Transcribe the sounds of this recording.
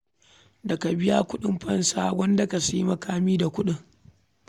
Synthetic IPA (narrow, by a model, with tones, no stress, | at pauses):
dɐ˨ka˨bɪ˦ja˦kʷʊ˦ɗɪ˦mɸɐ˦nsaː˦wɐ˦ndɐ˨ka˨si˦ji˦mɐ˦kaː˦miː˦da˨kʷʊ˦ɗɪ˦ŋ